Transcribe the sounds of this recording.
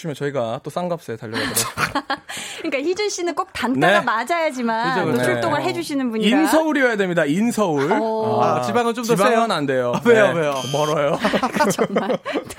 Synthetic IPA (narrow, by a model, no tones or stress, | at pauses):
ɕʰimjʌnt͡ɕʌiɡat͈os͈aŋɡap̚s͈etaʎːʌɡao | kɯɲik͈açid͡ʑunɕ͈inɯnk͈ok̚tann͈aeɡamad͡ʑajad͡ʑimanɯd͡ʑʰont͡ɕʰuɭt͈oŋɯɭɦe̞d͡ʑuɕʰinɯnbuɲiinsʰʌuɾiejadwe̞mɲidainsʰʌuɭat͡ɕibaŋɯnt͡ɕomdʌbaeŋʌnande̞joeoomʌɾʌjo